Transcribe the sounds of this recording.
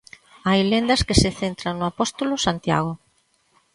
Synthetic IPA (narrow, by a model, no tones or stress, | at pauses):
ajlend̪ɐskeseθent̪ɾaŋnʊapɔst̪olʊsant̪ja̰ɣ̞ʊ